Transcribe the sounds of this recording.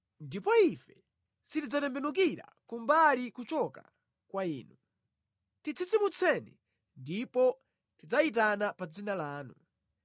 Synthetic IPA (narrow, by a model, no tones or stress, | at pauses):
ndipɔifɛ | sitid͡zatɛmbɛnuk̬iɾa̰kumbalikut͡ʃɔka̰ | kwaiːnu | tit͡sʰit͡simut͡sʰɛnɛ | ndipɔ | tid͡zait̬anapad͡zinalaːnu